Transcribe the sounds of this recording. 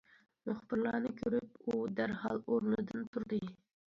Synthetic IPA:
mʊχbɨɾlˠɑːnɨkʲʰøɾyp̚ud̪æɾhɑlˠoɾnɨd̪ɨnt̪ʰuɾd̪ɨ

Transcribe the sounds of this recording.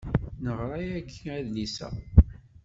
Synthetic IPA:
nəʁɾˤɑjækʰːiæðnisæ̰

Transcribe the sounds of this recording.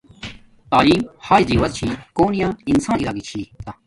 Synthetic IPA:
t̪aːliːmhaːiziːwɐɾt͡ɕʰiːkoːnijãːinsãːnilaːɡit͡ɕʰiːt̪ɐ

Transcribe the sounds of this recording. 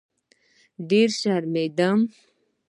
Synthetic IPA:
ɖeɾʃaɾmed̪am

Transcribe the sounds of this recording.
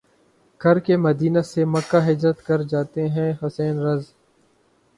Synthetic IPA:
ɡʰʱɐɾkemɐd̪iːnasemɐkːaɦɪd͡ʒɾət̪kɐɾd͡ʒaːt̪eɦɛ̃ɦʊsɛːnɾɐz

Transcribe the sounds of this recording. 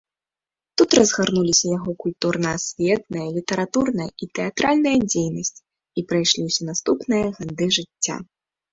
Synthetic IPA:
t̪ut̪rɐzɣarnulʲisʲɐjaɣɔkulʲt̪urnɐɐsʲvʲɛt̪̚nɐjɐlʲit̪ɐɾat̪urnɐjɐit̪ɛjat̪ɾalʲnɐjɐd͡zʲejnɐsʲt͡sʲ | ipɾajʂlʲiwsʲɛnast̪upnɨjɐɣɛd̪ɨʐɨt͡sʲːa̰

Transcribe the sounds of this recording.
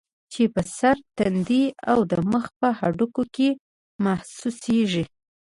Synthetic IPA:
t͡ʃepəsaɾt̪and̪ia̰wd̪əməxpəhaɖukoke | mahsuseʒi

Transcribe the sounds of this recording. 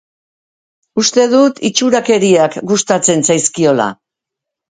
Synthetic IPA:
ust̪e̞ðut̪it͡ʃuɾake̞ɾiakɡust̪at͡se̞nsajskio̞la̰

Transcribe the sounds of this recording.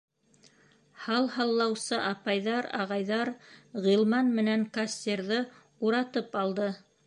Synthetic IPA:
hɑlˠhɑlˠːɑwsɤʔɑpɑjðɑɾɑ̰ʁɑjðɑɾʁilˠmɑnmɘ̆næŋkasʲt̪ʲerðɤ | uɾɑt̪ɤpɑlˠd̪ɤ

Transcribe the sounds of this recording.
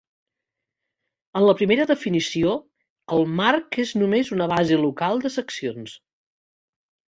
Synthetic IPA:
ənləpɾimeɾəðəfinisio | əlˠmarkeznumezunəβazəlukalˠd̪əsəksions

